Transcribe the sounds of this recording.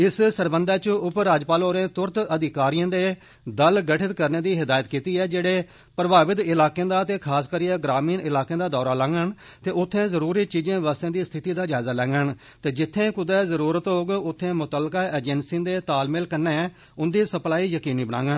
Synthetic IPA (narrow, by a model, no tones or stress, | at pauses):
ɪssəɾbənd̪ɛːt͡ʃəʊpɾaːd͡ʒpaːloːɾẽːt̪ʊɾt̪əd̪ɪkaːɾijãːd̪eː | d̪əlɡəʈʰɪt̪kəɾneːd̪iːɦɪd̪aːjət̪kiːt̪iːɛːd͡ʒeːɽeː | pɾəbaːʋɪt̪ɪlaːkẽːd̪aːt̪eːkʰaːskəɾiːɛːɡɾaːmiːnɪlaːkẽːd̪aːd̪ɔːɾaːlãːŋɡəɳt̪eːʊt̪ʰːẽːzəɾuːɾiːt͡ʃiːd͡ʒẽːʋəst̪ẽːd̪iːst̪ʰɪt̪iːd̪aːd͡ʒaːzaːlɛ̃ːŋɡəɳ | t̪eːd͡ʒɪt̪ʰːẽːkʊd̪ɛːzəɾuːɾət̪ɦoːɡʊt̪ʰːẽːmʊt̪əlkaːeːd͡ʒɛnsĩːd̪eːt̪aːlmɪlkəɾneː | ʊnd̪iːsəplaːiːjəkiːniːbənãːŋɡən